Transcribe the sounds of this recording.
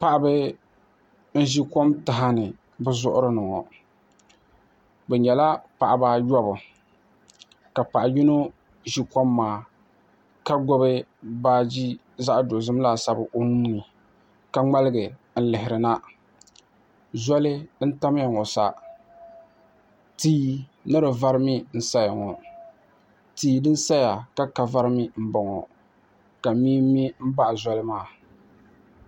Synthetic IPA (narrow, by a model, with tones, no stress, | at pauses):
pa˨ʔa˦bɨ˦ | n̩˦ʒi˦ko˦mta˨ɦa˦nɨ˨ | bɨ˦zʊ˦˨ʔʊ˦ɾɨ˦nɨ˨ŋɔ̰˨ | bɛ˨ɲɛ˨la˦pa˨ʔɪ˨ba˦jɔ˦bʊ˨ | ka˨pa˨ʔa˨ji˦no˦ | ʒi˦kɔ˦mːaː˨ | ka˦ɡɔ˦bɨ˦baː˦d͡ʒi˦ | za˦ʔdo˨zɨ˦m˦la˦˨sa˦bɨ˨ʔo˦mu˦ni˨ | ka˨ŋ͡ma˦lɪ˦ɡɨ˨ | n̩˦lɪ˨hɪ˨ɾɨ˨na˦ | za˦lɨ˦n̩˦ta˦m˦ja˨ŋɔ˨sa˦ | tiː˦nɨ˦ɾɨ˨va˦ɾɨ˦mi˦n̩˦sa˦ja˨ŋɔ˨ | tiː˨˦dɨ˦n˦sa˦ja˨ka˦ka˨va˦ɾɨ˦mi˦m̩˦bɔ˨ŋɔ̰˨ | ka˨miː˦i˦m̩˦ba˦ʔza˦lɨ˦maː˦˨